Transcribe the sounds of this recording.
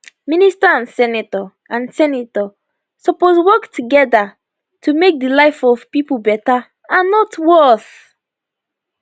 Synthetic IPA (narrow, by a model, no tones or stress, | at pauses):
ministaãnsɛnatɔ | ãnsɛnitɔ | sɔposwɔktʰuɡɛda | tʰumek̚dəlaɪfɔvpipubɛta | ãnːɔtwɜθ